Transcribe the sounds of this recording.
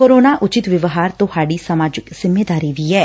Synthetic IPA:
koːɾoːnaːʔʊt͡ʃɪt̪ʋɪʋɦaːɾt̪ʊhaːɖiːsəmaːd͡ʒɪkz̥ɪmːeːd̪aːɾiːd̪iːɛː

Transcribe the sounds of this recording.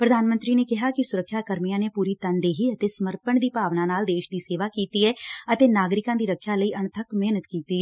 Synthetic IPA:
pɾəd̪aːnmənt̪ɾiːneːkɪɦaːkɪsʊɾəkʰʃjaːkəɾmijãːneːpuːɾiːt̪ənd̪eːɦiːət̪eːsəməɾpəɳd̪iːpaːʋnãːnaːld̪eːʃd̪iːseːʋaːkiːt̪iːɛːət̪eːnaːɡɾɪkãːd̪iːɾəkʰːjaːləiːʔəɳt̪ʰəkmeːnət̪kiːt̪iːɛ

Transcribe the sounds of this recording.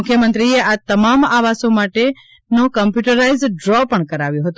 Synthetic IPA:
ʊkʰjəmə̃nt̪ɾieat̪əmamaʋasõmaʈe | nokəmpjuʈəɾaizɖɾɔpəɳkəɾaʋjõɦət̪u

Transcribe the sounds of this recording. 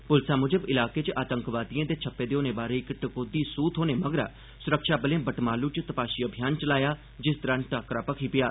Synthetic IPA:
pʊlsaːmʊd͡ʒəbɪlaːkeːt͡ʃaːt̪əŋkʋaːd̪iãːd̪eːt͡ʃʰəpːeːd̪eːoːnẽːbaːɾeːɪkʈəkoːd̪iːsuːt̪ʰɦoːneːməɡɾa̰ː | sʊɾəkʃaːbəlẽːbəʈmaːluːt͡ʃt̪əpaːʃiːəbʱjaːnt͡ʃəlaːjaː | d͡ʒɪsd̪əɾãːnʈaːkɾaːpəkʰiːpɪjaː

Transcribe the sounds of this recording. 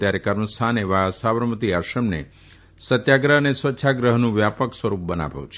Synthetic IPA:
t̪jaɾekəɾməst̪ʰaneʋasaʋəɾmət̪iaʃəmnḛ | sət̪jaɡɾəɦənesʋətːʃʰaɡɾəɦnũʋjapəksʋəɾup̚bəna̰ʋjṵ̃t͡ʃʰ

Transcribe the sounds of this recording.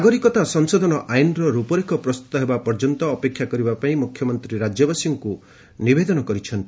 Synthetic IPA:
ɡɔɾikɔt̪asɔŋsɔd̪ʱɔnɔʔajnɔɾɔɾupɔɾikɔpɾɔst̪u̥t̪ɔɦebapɔɾd͡ʒɔnt̪ɔːpekʰːjakɔɾibapaĩmukʰjɔmɔnt̪ɾiɾad͡ʒjɔbasiŋku | nibed̪ɔnɔkɔɾit͡ʃʰɔnt̪i̥

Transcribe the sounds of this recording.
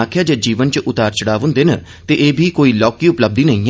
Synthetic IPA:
aːkʰjaːd͡ʒeːd͡ʒiːʋənt͡ʃəʔʊt̪aːɾt͡ʃəɽaːʋʊ̃nd̪eːnə | t̪eʔeːbʱiːkoːiːlɔːkiːʊpləb̚d̪iːnəĩː

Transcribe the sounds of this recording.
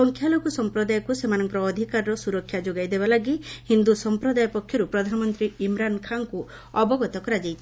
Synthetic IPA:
ɔŋkʰjalokɔsɔmpɾɔd̪ajɔkusemanɔŋkɔɾɔːd̪ʱikaɾɾɔsuɾɔkʰːjad͡ʒoɡajd̪ebalaɡihind̪usɔmpɾɔd̪ajɔpɔkʰːjɔɾupɾɔd̪ʱanɔmɔnt̪ɾiimɾankʰaŋku | ɔbɔɡɔt̪ɔkɔɾad͡ʒajt͡ʃʰi̥

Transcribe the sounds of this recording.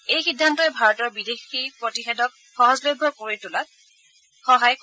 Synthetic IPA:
ejxidʱːantɔjbʱaɹɔtɔɹbidexipɹotixɛdɔk̚ | xɔɦɔzlojbʱɔkoɹitʊlat̚ | xɔɦajk

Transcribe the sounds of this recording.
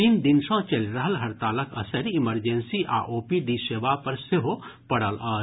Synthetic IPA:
iːnd̪ɪnsãt͡ʃɐlɾɐɦəlɦɐɾt̪aːlɐkʰɐ̰səɾɪməɾd͡ʒẽnsiʔa̰ːʔoːpiɖiːseːʋapɐɾsɪɦopɐɽəlɔː

